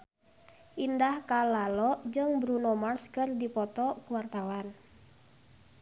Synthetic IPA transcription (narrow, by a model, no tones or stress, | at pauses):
ʔindahkalalɔʔd͡ʒɨŋbɾunɔmarskɨrdipɔt̪ɔkuwart̪awan